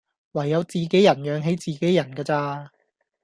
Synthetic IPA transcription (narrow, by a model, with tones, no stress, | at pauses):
wɐ˨˩jːɐ˨˧wt͡siː˨ke˨˥jɐ˨˩njœː˨˧ŋɦe˨˥jt͡siː˨ke˨˥jɐ˨˩nkaː˧t͡saː˧